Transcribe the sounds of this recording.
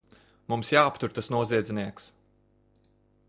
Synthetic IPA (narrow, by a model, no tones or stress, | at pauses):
mumsjaːpt̪uɾt̪asnuɔziɛd̪zʲɛniɛks